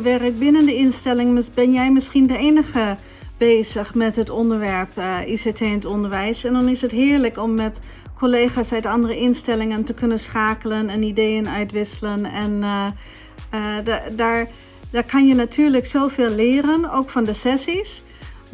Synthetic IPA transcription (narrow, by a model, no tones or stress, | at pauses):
ʋɪrək̚bɪnəndəɪnstɛlɪŋmbɛnjɛjmɪsxindəeːnəxə | b̥eːzəxmɛtɦətɔndəɹʋɛɹpʔisetʰeːəntɔndəɹʋɛjsɛndɔnɪsətɦɪːɹləkɔmːɛt | kʰoleːxasœɥtɑndərəʔɪnstɛlɪŋəntəkʰønənsxaːkələnɛnideːənœɥtʋɪsələnɛn | daɹ | daːkɑnjənatʰyːɹləksoːfeːllɪːɾənowkfɔndəsɛsis